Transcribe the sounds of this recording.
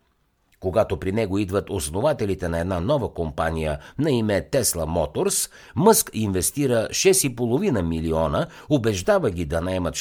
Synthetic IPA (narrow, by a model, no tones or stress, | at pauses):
koɡat̪opɾinɛɡoid̪vət̪osnovat̪ɛlit̪ɛnɐɛd̪nanɔvəkompanijənɐimɛt̪ɛslˠɐmɔt̪oɾs | mɤskinvɛst̪iɾəʃɛsipolˠovinəmiliɔnə | obɛʒd̪avəɡʲid̪ɐnɐɛmət̪